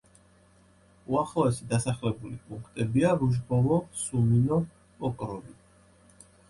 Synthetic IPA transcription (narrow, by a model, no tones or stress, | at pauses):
uaχlˠɔɛsid̪asaχlɛbulipʼuŋkʰt̪ʼɛbiaɾuʒbɔlɔsuminɔ | pʼɔkʼɾɔvi